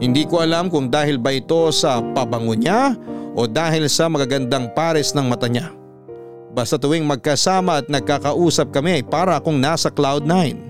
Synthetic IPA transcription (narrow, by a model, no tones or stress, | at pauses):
hɪnd̪iːkoʔɐlamkʊŋd̪aːhɪlbɐʔɪt̪o̞sɐpɐbɐŋoɲaʔo̞d̪aːɦɪlsɐmɐkɐɡɐnd̪aŋpaːɾɛsnɐŋmɐt̪ɐɲa | bɐst̪ɐt̪ʊwiŋmɐɡ̚kɐsaːmɐːt̪̚nɐɡ̚kakɐʔuːsɐp̚kɐmɛɐjpaːɾɐɐkoŋnaːsɐklawd̪̚naɪn